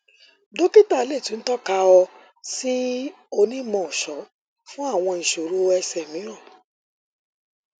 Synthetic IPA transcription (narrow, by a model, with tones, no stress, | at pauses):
do˦ki˦ta˦˨˦le˦˨tũ˨˦n̩˦tɔ˦ka˧ɔ˧ | si˦ | o˧nĩ˦mɔ̃˧˨ʃɔ˨˦ | fũ˦a˦˨w̃ɔ̃˧ĩ˨ʃo˨ɾu˦ɛ˧sɛ˨mĩ˨˦ɾɔ˦˨